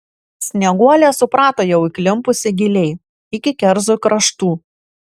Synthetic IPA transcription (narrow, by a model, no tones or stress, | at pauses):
sʲnʲɛɡuɔlʲeɛsʊpɾɑːt̪oːjɛʊɪkʲlʲɪmpʊsʲɪɡʲɪlʲɛɪ | ɪkʲɪkʲɛɾzʊkɾɐʃt̪uː